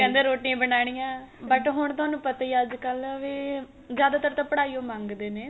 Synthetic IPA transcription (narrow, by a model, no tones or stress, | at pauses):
kɛ̃ːnd̪eːɾoːʈiːãːbənaːɽ̃ijãːbəʈɦʊɳ̃t̪ʊaːnũːpət̪aːiːəd͡ʒkəlʋeː | zjaːd̪aːt̪əɾt̪ãːpəɽaːiːoːmãːŋɡd̪eːneː